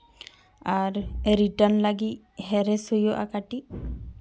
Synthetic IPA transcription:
aɾɾiʈənlaɡi | hɛɾɛsujɔʔa̰kaʈi

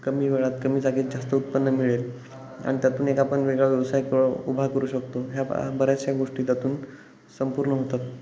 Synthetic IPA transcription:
kəmiːʋeɭat̪kəmiːd͡zaɡiːd͡zast̪əut̪̚pənːəmiɭel | a̰ɽit̪jat̪uːnekapəɳʋeɡɭaʋjɛʋsajkɭubʱakəɾuːɕəkt̪oɦjabəɾjat͡st͡ɕjaɡoʂʈiːt̪jat̪uːn | səmpuɾɳəɦot̪at̪

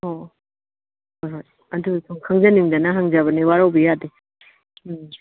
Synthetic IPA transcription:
ho | hojɦoj | ɐdusʰuŋkʰaŋzɐniŋdɐnɐɦaŋzabɐniwaɾawbijade

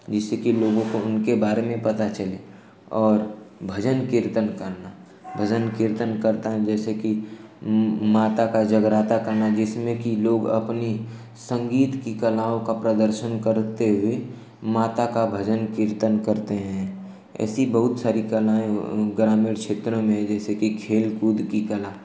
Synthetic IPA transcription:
d͡ʒɪsekiloːɡõkoʊnkebaːɾemẽpɐt̪at͡ʃəle | ɔːɾbʱəd͡ʒənkɪɾt̪ənkəɾna | bʱəd͡ʒənkɪɾt̪ənkəɾt̪aɦɛ̃d͡ʒɛːseki | maːt̪akad͡ʒəɡɾaːt̪akəɾnad͡ʒɪsmẽkiloːɡɐ̰pni | sə̃ŋɡiːt̪kikəlaːõkapɾəd̪əɾʃənkəɾt̪eɦʊe | maːt̪akabʱəd͡ʒənkɪɾt̪ənkəɾt̪eɦɛ̃ | ɛ̰ːsibəɦʊt̪saːɾikəlaːẽɡɾaːmiːɾt͡ʃʰeːt̪ɾõmẽɦɛ̃d͡ʒɛːsekikʰeːlkuːd̪ʱkikəlaː

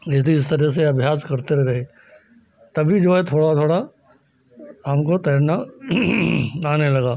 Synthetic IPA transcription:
ɪsd̪iɪst̪ɐɾɛs̬eɐbʱjaːskɐɾt̪eɾɾɐɦeː | t̪ɐbʱid͡ʒoːɛt̪ʰoːɽat̪ʰoːɽa | ɦɐmkot̪ɛɾna | aːnelɐɡaː

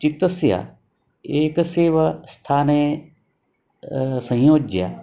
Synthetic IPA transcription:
t͡ʃɪt̪əsja̰ | eːkseːʋɐst̪ʰaːne | sɐ̃jjoːd͡ʒja̰ː

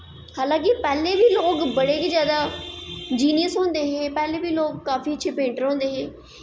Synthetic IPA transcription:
haːlãːŋk̬ɪpɛːleːʋiːloːkbəɽeːkiːzjaːd̪aː | d͡ʒiːnɪjəsɦõːnd̪eːɦẽːpɛːleːbiːloːɡ̚kaːfiːətːʃʰeːpẽːɳʈəɾɦõːnd̪eːɦẽː

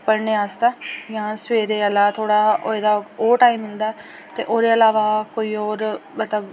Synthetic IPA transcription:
pəɾneːaːst̪aːjãːsʋeːɾeːəlaːt̪ʰoːɽaːo̰ːed̪aːoːʈaːimːɪld̪aːɛ | t̪ḛːʔoːɾeːəlaːʋaːkoːiːɔːɾmət̪ləb

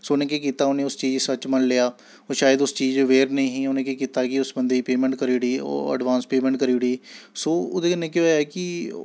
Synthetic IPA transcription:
soːʊnẽːkeːkiːt̪aːʊneːʊst͡ʃiːd͡ʒsət͡ʃmənlejaː | oːʃaːjəd̪ʊst͡ʃiːd͡ʒʋeːɾnəĩːɦĩːʊnẽːkeːkiːt̪aːkɪʊsbənd̪eːiːpeːmɛ̃ːɳʈkəɾiːɽḭːə̰ɖʋãːnspeːmɛ̃ːɳʈkəɾiːɽiːsoːo̰d̪eɪnẽːkɪːjaːkɪ

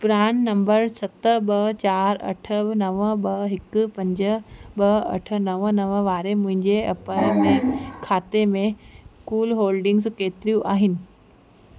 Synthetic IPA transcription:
pɾaːnːɐmbəɾsɐt̪əɓɐt͡ɕaːɾɐ̰ʈʰənɐʋəɓɐɦɪkpɐ̃ɲd͡ʑəɓɐɐ̰ʈʰə̆nɐʋənɐʋəʋaːɾemʊ̃ɦɪ̃ɲd͡ʑeɐpəmẽkʰaːt̪emẽskuːlɦoːlɖɪ̃ŋɡskeːt̪ɪɾijũʔaːɦɪnɪ̆

